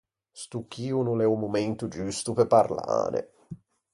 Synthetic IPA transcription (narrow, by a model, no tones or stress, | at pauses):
st̪ukːiːunulɛumumɛnt̪ud͡ʒust̪upepːarla̰ːɾḛ